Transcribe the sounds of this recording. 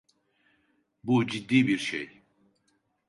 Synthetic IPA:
bud͡ʒid̪ːiːbiɾʃḛj

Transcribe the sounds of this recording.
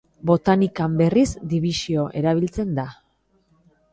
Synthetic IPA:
bo̞t̪anikambe̞rizd̪iβisio̞ʔe̞ɾaβ̞ilt͡se̞nd̪a

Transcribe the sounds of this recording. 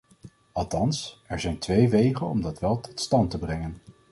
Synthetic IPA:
ɑlˠtɑnsɛɹzɛjntʋejʋejχənɔmdɑtʋɛlˠtʰɔ̥tstɑntəbrɛŋən

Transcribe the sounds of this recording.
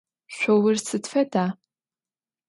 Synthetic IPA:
ɕʷowɨrsɨtfɐdaː

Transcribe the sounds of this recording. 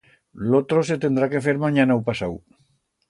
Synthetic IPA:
lot̪ɾos̬et̪end̪ɾakefeɾmaɲanawpasaw

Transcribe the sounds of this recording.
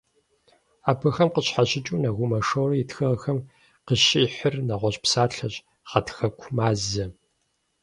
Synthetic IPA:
aːbʰɐxɐmqəɕħaɕɪt͡ʃʼuːnɐɣʷʊmɐʂɐwrɐjɪtxɐʁxɐm | qəɕiːħərnɐʁʷɔɕʼpsaːɬɐɕʼ | χɐtʰxɐkʷʰmaːzɐ

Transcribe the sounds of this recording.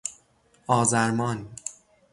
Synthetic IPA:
ɒːzæɾmɒːn

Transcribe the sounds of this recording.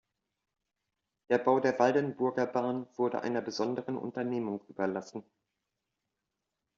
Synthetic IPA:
d̥eːɐbaʊdeːɐvaldənbʊɐɡɐbaːnv̥ʊɐdə̰ʔa̰ɪnɐbəzɔndəʁənʔʊ̰ntɐneːmʊŋʔy̰ːbɐlasn̩

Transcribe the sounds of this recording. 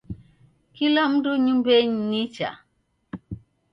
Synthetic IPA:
kilam̩duɲumbeɲnit͡ʃa̰

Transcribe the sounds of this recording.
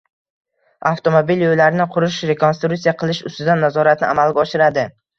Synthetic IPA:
aft̪ʰomobiljojlaɾnɪqʰʊɾʊʃɾe̞konst̪ɾukt̪sijaqʰɨlˠɪʃʊ̰st̪ɪd̪anːazɒɾat̪̚nɪʔamalɡʲaɒʃɪɾad̪ɪ

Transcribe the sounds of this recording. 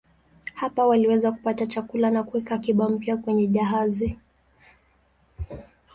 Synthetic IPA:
hapawaliwɛzaku̥patat͡ʃakulanakuwɛkakiɓam̩pjakwɛɲɛʄaɦazi

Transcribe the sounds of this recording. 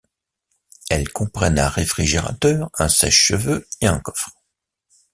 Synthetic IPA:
ɛlkɔ̃pχɛnɛ̃ʁefχiʒeʁa̰t̪œːʁɛ̃sɛ̰ʃːəvøeɛ̃kɔ̥fχ

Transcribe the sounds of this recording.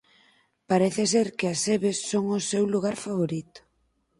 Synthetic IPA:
paɾeθɪseɾkɪɐseβesːoŋʊsewluɣ̞aɾfaβoɾit̪ʊ̥

